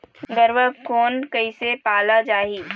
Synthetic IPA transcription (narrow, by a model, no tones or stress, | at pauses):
ɡəɾʋəkoːnkɐɪsepaːlad͡ʒaːɦiː